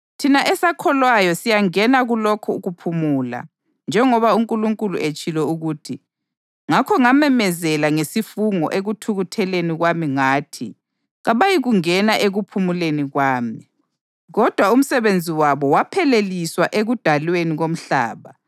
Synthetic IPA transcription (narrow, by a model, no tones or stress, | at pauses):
tʰinaʔɛsakʰɔlwajɔsijaŋɛnaɣulɔkʰɔːɣupʰumuːla̰ | nd͡ʒʱɛŋɔβauŋkʼuluŋkʼuluʔet͡ʃʼilɛuɣutʰi | ŋakʰɔŋamɛmɛzɛlaŋesifuŋɔ̰ʔeɣutʰuɣutʰɛleniɣwamiŋaːtʰi | ɣaβajiɣuŋɛnaʔeɣupʰumuleniɣwaːmi | ɣɔd̥ʱwaum̩sɛβend͡zʱiwaβɔwapʰɛleliswaʔeɣud̥ʱalweniɣom̩ɬa̰ːβa